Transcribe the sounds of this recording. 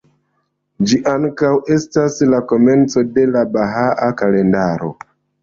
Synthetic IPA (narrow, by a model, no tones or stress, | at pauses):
d͡ʒiʔaŋkawe̞staslako̞me̞nt͡so̞de̞labaɦaʔakale̞ndaɾo̞̰